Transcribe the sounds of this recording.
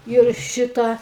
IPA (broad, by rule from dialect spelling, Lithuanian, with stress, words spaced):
ɪr ˈʃʲɪtɑː